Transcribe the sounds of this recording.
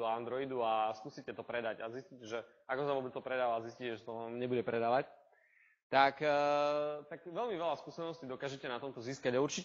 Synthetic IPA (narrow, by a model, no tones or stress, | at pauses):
ɔand̪ɾɔid̪uaskuːsicɛt̪ɔpɾɛd̪aɟaziscicɛʒɛ | akɔsaʋɔbɛt͡st̪ɔpɾɛd̪aːʋaːzisciːcɛʒɛt̪ɔamɲɛbuɟɛpɾɛd̪aːʋac | t̪akː | t̪akʋɛlmiʋɛlaskuːsɛnɔscid̪ɔkaːʒɛcɛnat̪ɔmt̪ɔziːskaɟauɾt͡ʃic